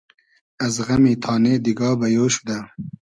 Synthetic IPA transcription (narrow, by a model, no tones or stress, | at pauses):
ɐzɣɐmiːt̪ʰɑːneːd̪iɡɑːbɐjoːʃu̥d̪ɐ